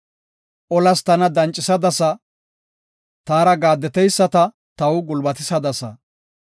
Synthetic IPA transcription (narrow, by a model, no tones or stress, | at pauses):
ʔɔlɐst̪ɐnɐd̪ɐnt͡ʃʼːɪsɐd̪ɐsɐ | t̪aːɾɐɡaːd̪ːɛt̪ɛjsːɐt̪ɐ | t̪ɐwʊɡʊlbɐt̪ɪsɐd̪ɐsɐ